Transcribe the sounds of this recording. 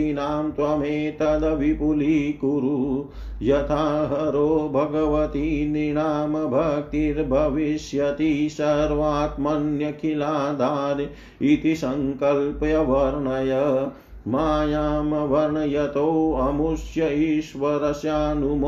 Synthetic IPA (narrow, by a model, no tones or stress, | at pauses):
inaːmt̪ʋɐmeːt̪ɐd̪ɐʋipuliːkuɾu | jɐt̪ʰaːɦɐɾoːbʱɐɡɐʋɐt̪iniɳaːmɐbʱɐk̚t̪iɾbʱɐʋiʃjɐt̪isɐɾʋaːt̪mɐnjɐkʰilaːd̪ʱaːɾ | it̪isɐŋkɐlpjɐʋɐɾɳɐjɐ | maːjaːmɐʋɐɾɳɐjɐt̪owɐmuʃjɐiʃʋɐɾɐsjaːnum